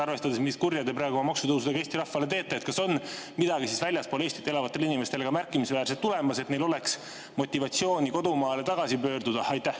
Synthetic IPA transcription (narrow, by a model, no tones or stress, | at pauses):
ɑrve̞st̪ɑd̪e̞smiskurjɑd̪epɾɑːɡumɑmɑksut̪ɤwsud̪ekeːst̪iɾɑhːɑle̞t̪e̞ːt̪ːˑeːt̪̚kɑso̞n | mid̪ɑɡisisvælʲjɑspo̞ːleːst̪it̪ːe̞lɑvɑt̪ˑːe̞linime̞st̪e̞leɡɑmærkːˑimisvæːɾselt̪ːule̞mɑset̪ne̞jlo̞le̞ks | mo̞t̪ʲːˑivɑt̪sio̞ːnʲiko̞d̪umɑːle̞t̪ɑɡ̥ɑsipø̞ːrd̪ud̪̥ɑɑjt̪ːˑæh